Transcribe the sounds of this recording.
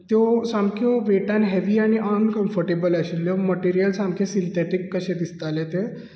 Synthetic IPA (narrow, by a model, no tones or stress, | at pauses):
t̪josamkʰoʋeʈanɦɛʋiːaɽ̃iʔənkəmfəɾʈebəlaɕilːjoməʈiɾijəlsamkʰesilt̪eʈikːəɕẽd̪ist̪alet̪e